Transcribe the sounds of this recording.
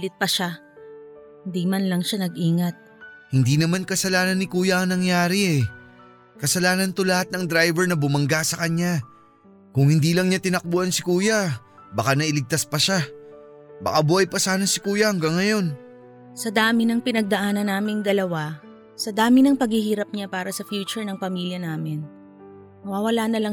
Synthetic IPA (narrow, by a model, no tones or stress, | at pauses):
lɪt̪̚pɐʃa | hɪnd̪imɐnlɐŋʃanɐɡ̚ʔiːŋɐt̪̚ | hɪnd̪inɐmankɐsɐlaːnɐnːɪkuːjɐʔɐŋnɐŋjaːɾɪʔɛ | kɐsɐlaːnɐnt̪olɐhat̪̚nɐŋd̪ɾajvɛɹnɐbʊmɐŋɡasɐkɐɲa | kʊŋhɪnd̪iːlɐŋɲat̪ɪnɐk̚buʔɐnsɪkuːjɐ | bɐkanɐʔɪlɪɡ̚t̪aspɐʃa | bɐ̰kaboʔɐjpɐsaːnɐsɪkuːjɐhɐŋɡaŋːɐjo̞n | sɐd̪aːmɪnɐŋpɪnɐɡ̚d̪ɐʔaːnɐnːaːmɪŋd̪ɐlɐwa | sɐd̪aːmɪnɐŋpɐɡhihiːɾɐp̚ɲapaːɾɐsɐfjuːt͡ʃʊɹnɐŋpɐmiljɐnaːmɪn | mɐwaːwɐlaːnɐlɐŋ